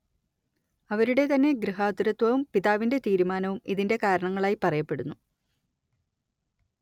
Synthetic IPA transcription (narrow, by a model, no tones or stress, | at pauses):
ɐʋɐɾuɽe̞t̪ɐnːe̞ɡɾiɦaːt̪uɾɐt̪ʋɐʋumpiðaːʋinde̞t̪iːɾumaːnɐʋumiðinde̞kaːɾɐɳɐŋːɐɭaːjipɐrɐjɐpːe̞ɽunːu